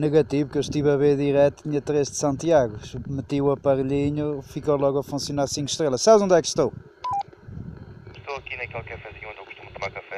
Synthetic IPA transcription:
nɨɣɐt̪ivukewʃt̪ivɐβeɾðiɾɛt̪t̪iɲɐt̪ɾeʒðsɐ̃w̪̃t̪iaɣuʃmɨt̪iwɐpɐɾʎiɲufikowlˠɔɣɐfũsjunaɾsĩŋku̥ʃt̪ɾelˠɐʃsaβzõnd̪ɛkʃt̪ow | ʃt̪owɐkinɐkelˠkewfɐziɐõd̪ewɣu̥ʃt̪umt̪umaɾkɐfɛ

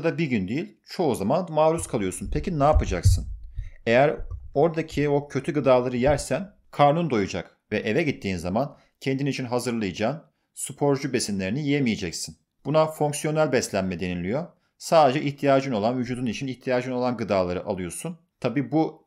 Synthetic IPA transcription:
d̪abiɟynd̪ejilʲt͡ʃʰo̞uzamanmaːɾuskʰalˠɯjo̞sunpʰecinaːpɯd͡ʒaksɯne̞jæɾo̞ɾd̪acʰio̞cʰø̞t̪ʰyɡɯd̪aːlˠaɾɯjæɾsæn | kʰaɾnund̪o̞jud͡ʒa̰k | vɛʔevɛɟit̪ʰːiːnzaman | cʰend̪init͡ʃʰinɦazɯɾlˠɯjɯd͡ʒaːn | sypʰo̞ɾd͡ʒube̞sinlʲe̞ɾinijijemijed͡ʒɛcsin | b̥unafo̞ŋksijo̞nælʲbɛslʲænmɛd̪e̞nilʲijo̞ | saːd̪e̞d͡ʒɛʔiçt̪ʰijaːd͡ʒɯno̞lˠanvyd͡ʒuːd̪unit͡ʃʰiniçt̪ʰijaːd͡ʒɯno̞lˠanɡɯd̪aːlˠaɾɯʔa̰lˠɯjo̞sun | t̪ʰabiːbu

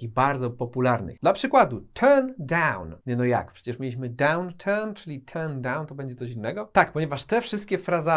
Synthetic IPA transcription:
kʲiɣbaɾd̪zɔpɔpulaɾnɘ̰d̪lapʂɘkwad̪ut̪ʰɛɾnd̪awnɲɛnɔja̰kpʂɛ̥t͡ɕɛʂmʲelʲiɕmɘd̪awnt̪ʰɛɾnt͡ʂɘlʲit̪ʰɛɾnd̪ãwnt̪ɔbɛɲd͡ʑɛt̪sɔɕinːɛɡɔt̪ak̚pɔɲɛvaʂt̪ɛfʂɘst̪̚kʲɛfɾaza

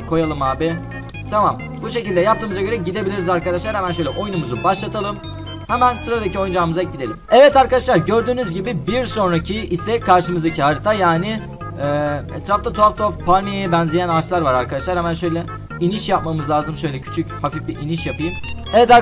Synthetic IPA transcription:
kʰo̞jalˠɯmaːbɪ | t̪ʰamam | buʃe̞cilʲd̪ɛjap̚t̪ɯːmɯzaɟø̞ɾɛɟid̪e̞bilʲiɾizaɾkad̪aʃlˠaɾhɛmænʃø̞jlʲɛʔo̞jnumuzubaʃlˠat̪ʰalˠɯm | hɛmænsɯɾad̪acio̞jund͡ʒaːmɯzacɟid̪elʲimɛvɛt̪aɾkad̪aʃlˠaɾɟøɾd̪yːnyzɟibibiɾso̞nɾacʰiisɛkʰaɾʃɯmɯzacʰiɦaɾit̪ʰajaːnɪ | ɛːɛ̰t̪ɾaft̪at̪ʰoaft̪ʰoafpʰaɾmijejɛbɛnzejænat͡ʃlˠaɾvaɾaɾkad̪aʃlˠaɾhɛmænʃø̞jlʲɛ | iniʃjap̚mamɯzlˠaːzɯmʃø̞jlʲɛcʰy̥t͡ʃʰychafifbiʔiniʃjapɯjɯmɛvɛt̪a

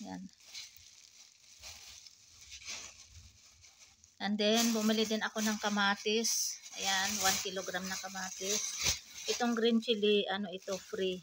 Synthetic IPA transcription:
ja̰n | ʔɐnd̪ɛnbʊmɪlɪd̪ɪnɐko̞nɐŋkɐmaːt̪ɪsʔɐjanwankiloɡɾamnɐkɐmaːt̪ɪsʔɪt̪o̞ŋɡɾɪnt͡ʃɪlɪʔɐno̞ʔɪt̪o̞fɾi

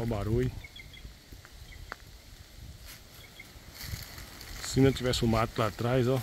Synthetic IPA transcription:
wbaɾuj | sinɐ̃t̪ivɛsũmat̪lat̪ɾajzɔ

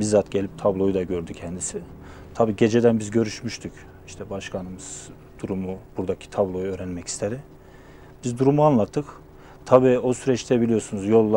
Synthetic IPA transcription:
bizaːt̪ɟe̞lʲip̚t̪ʰablˠo̞jud̪aɟø̞ɾd̪ycʰɛnd̪isi | t̪ʰabiːɟe̞d͡ʒe̞d̪ænbizɟø̞ɾyʃmyʃt̪ʰyc | iʃt̪ʰɛbaʃkʰanɯmɯz̥ | d̪̥uɾumub̥uɾd̪acʰi̥t̪ʰablˠo̞juø̞ːɾænmɛcʰi̥st̪ʰeɾi | bizd̪uɾumuanlˠat̪ʰːɯk | t̪ʰabiːosyɾɛt͡ʃt̪ʰɛbilʲijo̞ɾsunuzjo̞lˠːa

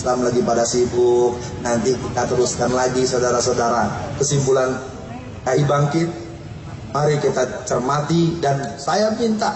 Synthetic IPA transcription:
lamlaɡipadasibʊk̚ | nant̪ikit̪at̪əɾuskanlaɡisadaɾasadaɾakəsimbulan | kaibaŋkɪt̪̚ | maɾikit̪at͡ʃərmat̪idansajapint̪a

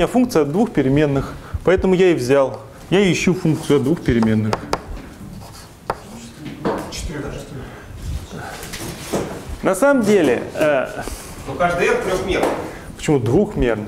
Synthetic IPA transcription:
mʲnʲafunkt̪sɨjɐd̪vuxpʲɪɾʲɪmʲe̞nːɨxpɐɛt̪əmʊjaɪvzʲalˠ | jaɪɕːufunk̚t̪sɨʊɐd̪d̪vuxpʲɪɾʲɪmʲe̞nːɨx | t̪ʲ | nɐsaməmdʲelʲɪ̰ə | nokaʐd̪ɨet̪t̪ɾʲoxmʲernɨx | pə̥t͡ɕɪmud̪vuxmʲe̞rnɨ

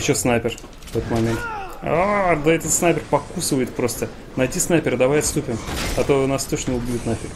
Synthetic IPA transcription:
t͡ɕosnajpʲɪr | vɛt̪ət̪mɐmʲe̞nt̪ad̪ɐɛt̪ət̪snajpʲɪrpɐkusɨvəjɪt̪̚pɾo̞st̪ə | nɐjdʲisnajpʲɪɾəd̪ɐvajɐt̪st̪upʲɪmɐt̪oʊnast̪oʂnʲɪʊbʲjʲɪt̪nafʲɪk

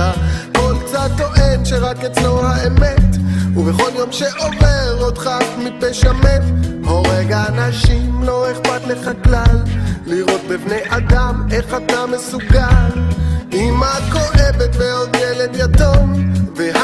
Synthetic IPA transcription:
akolkt͡sat̪ːo̞ʔe̞nʃeʁaket͡slo̞haemetuveχo̞ljo̞mʃeʔo̞veʁot̪χakmipeʃametbo̞ʁeɡaːnaʃimlo̞eχpat̪leχaklalːiʁo̞t̪̚bibnejʔad̪ame̞χat̪amesuɡalʔimako̞ʔevet̪beod̪jɛled̪jatomvea

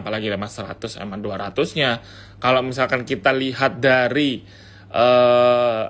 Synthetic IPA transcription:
palaɡilemasəɾa̰t̪ʊsḛmanduaɾat̪ʊsɲa | kalomisalkankit̪aliɦat̪̚daɾi | ʔə

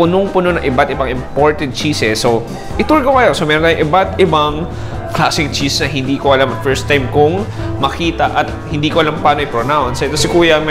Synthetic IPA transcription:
pʊnoŋpʊnonɐŋʔɪbat̪ɪbaŋɪmpoɹt̪ɛd̪̚t͡ʃiːsɛsːo | ʔɪt̪uɹɡɐwajosomɛːɾonaːjʊ̃ʔɪbat̪ɪbaŋ | klaːsɪŋt͡ʃisnɐɦɪnd̪iːkoʔɐlamɐt̪fɛɹst̪ːajmkʊŋ | mɐkiːt̪ɐʔɐt̪̚hɪnd̪iːkoɐlampaːnoʔɪpɾonawnsɐt̪osɪkuːjɐm

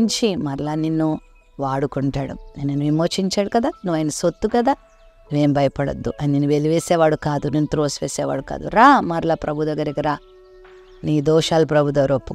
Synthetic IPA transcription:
ɲt͡ʃimɐɾlaninːu | ʋaːɽukuɳʈaːɽṵnnenːuʋimoːt͡ʃiɲt͡ʃaːɽukɐd̪aːnuʋaːjɐnɐsot̪ːukɐd̪aː | nuʋe̞ːmbɐjɐpɐɽɐ̰d̪ːuʔɐininːuʋeliʋeːsɛːʋaːɽukaːd̪uninːut̪ɾoːsʋeːsɛːʋa̰ːɽuka̰ːd̪ṵɾaːmɐɾlapɾɐbʱut̪ɐɡɐɾikiɾaː | niːd̪ɔːʃaːlupɾɐbʱud̪ʋɐɾopːu

